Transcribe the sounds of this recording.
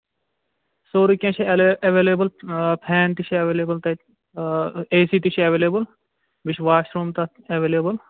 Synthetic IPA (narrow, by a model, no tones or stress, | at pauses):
soːɾikʲẽːt͡ʃʰiɐʋeːleːbəlpʰɛːnt̪it͡ʃʰiɐʋeːleːbəlt̪ɐ | eːsiːt̪iʃʰiɐʋeːleːbəl | bɪt͡ʃʰʋaːʃɾuːmt̪ɐ | ɐʋeːleːbəl